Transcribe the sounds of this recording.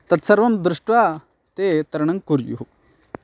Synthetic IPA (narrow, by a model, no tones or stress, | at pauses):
t̪ɐt̪sɐɾʋɐmd̪ɾuʂʈʋa | t̪et̪ɐɾɐɳɐŋɡkuɾjṵɦu